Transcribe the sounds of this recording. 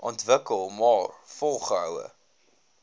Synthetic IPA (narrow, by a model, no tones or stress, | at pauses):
ʔɑntvəkəlˠmɑːrfɔlˠχəɦœwə̰